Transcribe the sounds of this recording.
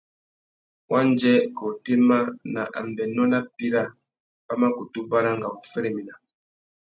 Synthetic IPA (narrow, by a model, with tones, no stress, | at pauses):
wa˦nd͡ʒɛ˦kɔ˨te˦ma˦na˨ʔa̰˨m˨bɛ˨nɔ˦na˦pi˦ɾa˦˨ | pa˦ma˦ku˨tu˦ba˦ɾa˦ŋɡa˨u˨fɛ˦ɾe˨mi˨na˨